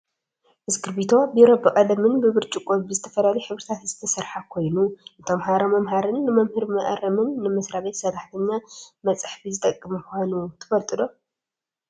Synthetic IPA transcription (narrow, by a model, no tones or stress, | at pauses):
ʔɨzkɨɾbit̪ʰo̞bɨjɪɾɐbɨkʼɐlɐmɨnbɨβɨɾt͡ʃʼikʼobɨzɨt̪ʰɐfɐlalijħɨβɾɨt̪ʰat̪zɨt̪ʰɐsɐɾħakʰo̞jnuʔɨt̪ʰomɦaɾomɐmhaɾɨnːɨmɐmhɨɾmɐʔɐ̰ɾɐmɨnːɨmɐsɾaβet̪sɐt̪ʰaħt̪ʰɐɲːamɐt͡sʼaħfizɨt̪ʼɐkʼːɨmkʷanut̪ʰɨ̥fɐlt̪ʼɨd̪o̞